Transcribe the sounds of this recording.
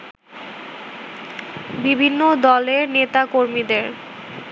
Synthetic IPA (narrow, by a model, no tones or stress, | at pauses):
bibʱinːod̪ɔleɾnet̪akoɾmid̪eɾ